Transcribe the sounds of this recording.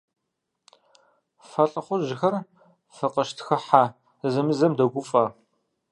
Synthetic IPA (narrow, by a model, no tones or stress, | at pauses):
fɐɬʼɨχʷʊʒɪxɐr | fɐqɐʃtʰxɐħa | zɐmɨzɐmdɐɡʷʊfʼaː